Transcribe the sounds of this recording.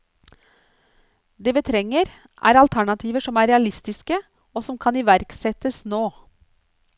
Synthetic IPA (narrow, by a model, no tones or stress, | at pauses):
d̪eːʋiːt̪ʰɾɛŋəɾ | ʔæ̰ːɾɑlt̪ʰæɳɑt̪ʰiːʋəʂɔmæːɾɛɑlɪst̪ɪskə | oːsɔmkʰɑniːʋæɾksɛt̪əsnoː